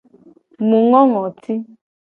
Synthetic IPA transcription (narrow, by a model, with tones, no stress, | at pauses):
mu˨ŋɔ˦ŋɔ˨tʰi˦